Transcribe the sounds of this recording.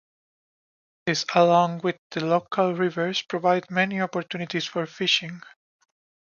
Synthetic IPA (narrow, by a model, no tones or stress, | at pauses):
ðɪsəlɔ̃ŋwɪððəlokʰəlɹɪvəɹspɹɔvaɪdmɛniɔpɔɹt̪junit̪isfɔɹfɪʃɪ̃ŋ